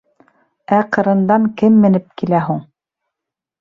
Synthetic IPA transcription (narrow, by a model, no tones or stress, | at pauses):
æqɤ̆ɾɤ̆nd̪ɑŋkɘmːɘ̆nɘp̚kilæɦuɴ